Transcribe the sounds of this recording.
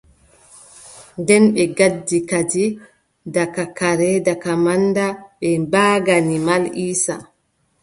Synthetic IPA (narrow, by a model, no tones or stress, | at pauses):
ndɛnɓɛɡadːikad͡ʒi | dakakaɾɛdakamandaɓɛbaːɡanimaliːsa